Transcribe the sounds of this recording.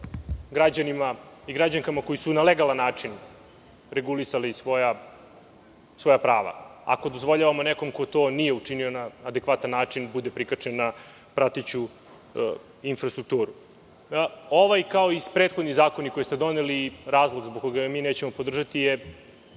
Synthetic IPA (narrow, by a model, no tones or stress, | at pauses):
ɡɾad͡ʑanimaiɡɾad͡ʑaŋkamako̞jisunaleɡalanːaːt͡ʂin | ɾeɡulisalisʋoja | sʋo̞japɾaːʋa̰a̰ko̞d̪ozʋo̞ʎaʋamoneko̞mko̞t̪o̞ːnijeut͡ʂinio̞naːd̪ekʋat̪anːaːt͡ʂinbud̪epɾikat͡ʂenːa | pɾat̪et͡ɕu | infɾast̪ɾuk̚t̪uːɾu | o̞ʋajkao̞ispɾet̪xod̪nizaːkonikojst̪ed̪o̞neliɾaːzlˠoɡzboɡ̚ko̞ɡamiːneːt͡ɕemo̞po̞d̪r̩ʒat̪ije